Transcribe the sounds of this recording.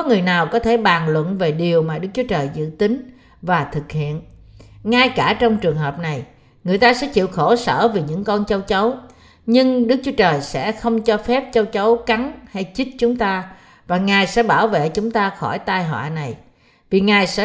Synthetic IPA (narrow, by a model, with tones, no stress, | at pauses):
kɔ˨˦ŋɨ˨˩əjnaː˨˩wkɔ˨˦t̪ʰe˧˩ɓaː˨˩nlwə̰˧˨nve˨˩ɗi˨˩əwmaː˨˩ɗɨ˦˥k̚t͡ɕu˨˦t͡ɕəː˨˩jzɨ̰˧˨t̪ï˨˦ŋ̟ | vaː˨˩t̪ʰɨ˨˩k̚hḭ˧˨ənŋaː˧jkaː˧˩t͡ɕɔ˧wŋ͡mt͡ɕɨ˨˩əŋɦəː˨˩p̚na˨˩j | ŋɨ˨˩əjt̪aː˧sɛ̰˧˥t͡ɕḭ˧˨wxo˧˩sə̰ː˧˩vi˨˩ɲɨ̰˧˥ŋkɔ˧nt͡ɕə˧wt͡ɕə˨˦w | ɲɨ˧ŋɗɨ˦˥k̚t͡ɕu˨˦ət͡ɕəː˨˩jsɛ̰˧˥xə˧wŋ͡mt͡ɕɔ˧fɛ˦˥p̚t͡ɕə˧wt͡ɕə˨˦wka˨˦nha˧jt͡ɕi˦˥t̚t͡ɕʊ˨˦ŋ͡mt̪aː˧ | vaː˨˩ŋaː˨˩jsɛ̰˧˥ɓaː˧˩wvḛ˧˨t͡ɕʊ˨˦ŋ͡mt̪aː˧xɔ˧˩jt̪aː˧jɦwa̰ː˧˨na˨˩j | vi˨˩ŋaː˨˩jsɛ̰˧˥